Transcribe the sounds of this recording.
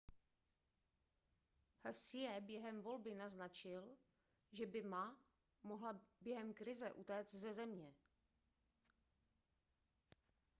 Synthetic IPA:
hasɪjɛbjɛɦɛmvo̞lbɪnaznat͡ʃɪl | ʒɛbɪma | moɦlabjɛɦɛmkɾɪzɛʔut̪ɛːt͡s̪zɛzɛmɲɛ

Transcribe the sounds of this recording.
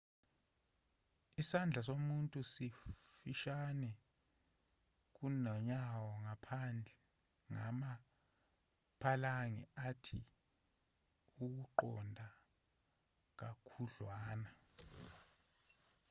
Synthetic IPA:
isand͡ɮʱasomuntʼusifiʃanɛ | k̬unɔɲawɔŋapʰand͡ɮʱɛ | ŋa̰ma | pʰalaŋɛatʰi | uk̬uǃɔ̰ndʱa | k̬akʰuɮwaːna

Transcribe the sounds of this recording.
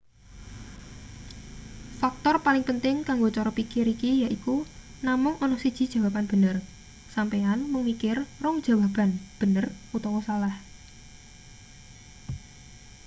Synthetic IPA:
fak̚t̪ɔrpalɪŋpənt̪ɪŋkaŋɡot͡ʃɔɾɔpikɪɾikijaʔiku | namʊŋɔnɔsid̥ʒ̥i̤d̥ʒ̥a̤wapanb̥ə̤nər | sampeanməŋikɪrːʊŋd̥d͡ʒ̥ä̤wab̥a̤nb̥ə̤nərut̪ɔwɔsalah

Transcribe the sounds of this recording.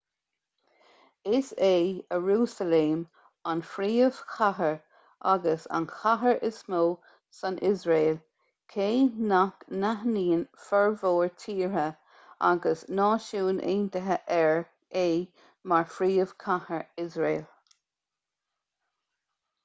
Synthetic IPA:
ɪseːəɹuːsəleːm | anfɾiːəv̥kʰaɦəɹ | ʔaɡəsa̰nxʰaɦəɹʔɪsmoː | sanʔɪzɹeːl | kʰeːnaknaɦniːnfɛɹvoːɹtʰiːɹə | a̰ɡəsnɑːʃuːnʔḛːndəɦəʔɛɹ | eː | maɹfɾiːəv̥kʰahəɹɪzɹeːl

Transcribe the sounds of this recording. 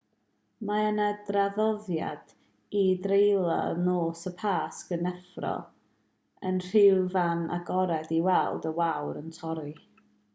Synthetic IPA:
maənadraðɔðja̰d̥ | idrejlˠa̰noːsəpʰaːskənɛfrɔ̰ | ənr̥ɪwvanʔa̰ɡɔɾɛdiwɛlˠdəwawɾəntʰɔɾi

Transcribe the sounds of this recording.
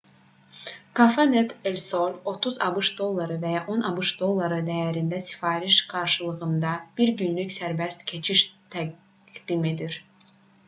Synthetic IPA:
kʰafanet̪elʲsolʲo̞t̪ʰuzɑ̰bɯʃd̪o̞lˠːɑɾɯvæjɑʔo̞nɑbɯʃd̪o̞lˠːɑɾɯd̪æjæɾind̪æsi̥fɑːɾiʃɡ̥ɑɾʃɯlˠɯɣɯnd̪ɑb̥iɾɟynlycsæɾbæst̪cʰe̞t͡ʃʰiʃt̪ʰæɡ | ɡd̪̥ime̞d̪iɾ

